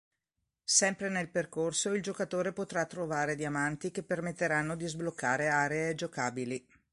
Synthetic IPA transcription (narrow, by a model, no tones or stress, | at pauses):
sɛmpɾenelperkorsoild͡ʒokat̪oːɾepot̪ɾat̪ːɾovaːɾed̪jamant̪ikepːermet̪ːeɾanːod̪izblokːaːɾeaːɾeed͡ʒokaːbili